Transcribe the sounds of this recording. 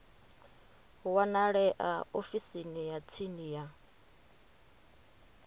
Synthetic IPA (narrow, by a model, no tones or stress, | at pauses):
wanaɺɛʔa̰ofisinijat͡sʰinija